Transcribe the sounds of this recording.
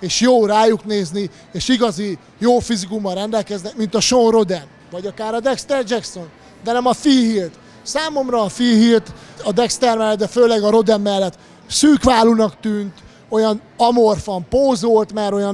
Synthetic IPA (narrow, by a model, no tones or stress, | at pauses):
eːʃjoːraːjukneːzni | eːʃiɡɒzi | joːfizikumːɒlrɛnd̪ɛlkɛznɛkmint̪ɒʃonro̞d̪ɛn | vɒɟɒkaːɾɒd̪ɛkst̪ɛrd͡ʒɛkso̞n | d̪ɛnɛmɒfiɦilt̪ | saːmo̞mrɒːfiɦilt̪ɒd̪ɛkst̪ɛrmɛlːɛt̪̚d̪ɛføːlɛɡɒɾo̞d̪ɛmːɛlːɛt̪ | syːkʋaːlunɒkt̪yːnt̪ | o̞jɒn | ɒmorfɒmpoːzolt̪mɛɾo̞jɒ